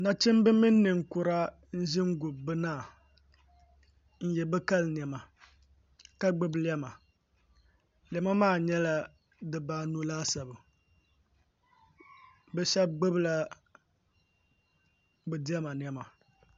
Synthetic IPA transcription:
na˦t͡ʃɪ˦mbɨ˦mi˦nː˦ɨ˨ŋ̩˨kʊ˨ɾa˦ | n̩˦ʒɪ˦ŋ˦ɡʊ˨bbɨ˦naː˦˨ | n̩˦jɛ˨bɛ˦ka˦ln˨ɛ˨ma˨ | ka˦ɡ͡bɨ˦blɪ˦ɛ˦ma˨ | lɛ˨ma˦maː˦˨ɲɛ˦la˦ | dɨ˨baː˦nu˦laː˦sa˨bɨ˨ | bɛ˦ʃɛ˦b̚ɡ͡bɨ˦bla˦ | bɛ˨dɪ˦ɛ˦ma˨n˨ɛ˨ma˨

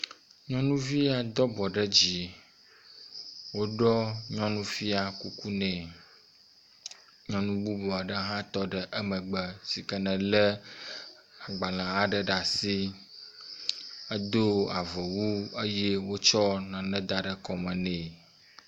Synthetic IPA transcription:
ɲɔ̃˦nũ˦vi˦a˨d̪ɔ˦bɔ˨ɖə˦d͡ʑi˨ | wo˦ɖɔ˦ɲɔ̃˦nũ˦fi˦a˨ku˦ku˦nɛ̃˨ | ɲɔ̃˦nũ˦ɡ͡bu˦bɔ˨a˨ɖə˦ɦã˦t̪ɔ˦ɖə˨ʔə˦mə̃˨ɡ͡bə˦si˨kə˨nɛ̃˨lə˦ | a˨ɡ͡ba˨lã˨a˦ɖə˨ɖa˨si˦ | ə˦d̪o˦a˨və˨wu˦ə˦jɛ˦wo˦t͡ʃɔ˦nã˨nɛ̃˦d̪a˨ɖə˦kɔ˨mɛ̃˨nɛ̃˨

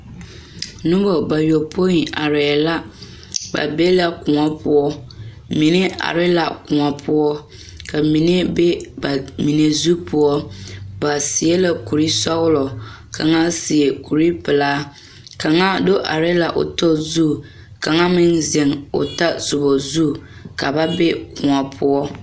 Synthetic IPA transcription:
nʊ˦bo˨ba˨jo˨pʰo˦i˨a̰˨ɾɪ˨la˦ | ba̰˨be˦la˦kʊ˨ŋa˦pʰʊ˦ɔ˦ | mi˨ne˦ʔa̰˨ɾɪ˦la̰˨kʊ˨ŋa˨pʰʊ˦ɔ˦ | kʰa˨mi˨ne˦be˦ba˨mi˨ne˨zu˦pʰʊ˦ɔ˦ba˨si˨˦e˦la˦ku˨ɾi˦sɔ˦ɣʊ˦lɔ˨ | kʰa˨ŋa˦si˨e˨ku˨ɾi˦pɪ˨laː˦ | ka˨ŋa˦do˦ʔa̰˨ɾɪ˦la˨ʔʊ̰˨to˦zu˦˨ | ka˨ŋa˦mɪ˦nzɛ˨ŋo̰˨ta˦zʊ˨bɔ˨zu˦˨ka˨ba˦be˦kʊ̃˨ŋa˨pʰʊ˦ɔ˦

